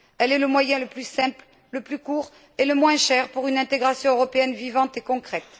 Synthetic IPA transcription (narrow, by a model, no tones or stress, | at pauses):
ɛlɛləmwajɛ̃ləplysɛ̃pl | ləplykuʁ | eləmwɛ̃ʃɛʁpuʁynɛ̃t̪eɡʁasjɔ̃øʁɔpeɛnvivɑ̃t̪ekɔ̃kχɛt̪